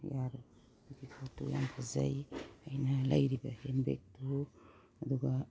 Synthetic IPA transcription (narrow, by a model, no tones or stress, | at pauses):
jaɾu | iɡikʰatuja̰mpʰaza̰jajnala̰jɾibahenbḛk̚tʰu | ɐd̪uɡa